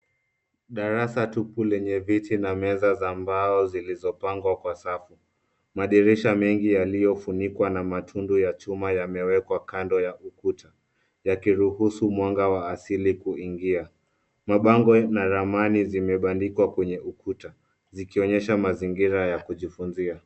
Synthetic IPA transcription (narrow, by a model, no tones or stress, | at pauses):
ɗaɾasatupulɛɲɛvitinamɛzazambaɔzilizɔpaŋɡwakwasafu | maɗiɾɛʃamɛŋɡijalijɔfunikwanamatʰundujat͡ʃumajamɛwɛkwakandɔjaʔukutʰa | jakiɾuhusumwaŋɡawaːsilikuiŋɡia | maɓaŋɡɔnaɾamanizimɛɓandikwakwɛɲɛʔukuta | zikiɔɲɛʃamaziŋɡiɾajakuʄifunzia